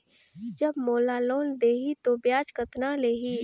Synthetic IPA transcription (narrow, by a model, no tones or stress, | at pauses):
d͡ʒɐbmoːlaloːnd̪eːɦit̪objaːd͡ʒkət̪naleːɦiː